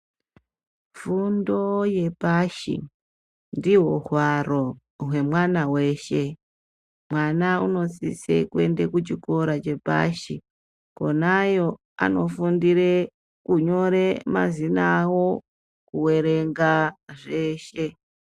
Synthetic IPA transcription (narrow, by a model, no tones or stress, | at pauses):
fundo̞je̞paʃḭ | ndiɦohwaro̞ | ɦwe̞mwanawe̞ːʃe̞ | mwanauno̞sḭsḛkue̞nde̞kut͡ʃiko̞ɾat͡ʃe̞pa̰ʃi | ko̞najo̞ | a̰no̞fundire | kuɲo̞ɾe̞ma̰zinawo̞ | kuwe̞ɾe̞ŋɡaʐe̞ːʃe̞